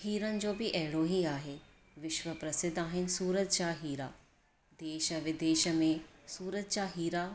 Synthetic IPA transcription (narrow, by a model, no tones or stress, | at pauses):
hiːɾənd͡ʒoːbʱiʔɛːɭoːɦiaːɦeː | ʋɪʃʋəpɾɐsɪd̪aːɦɪnsuːɾət̪̚t͡ʃaːɦiːɾaː | d̪eːʃəʋɪd̪eːʃəmẽsuːɾət̪̚t͡ʃaːɦiːɾaː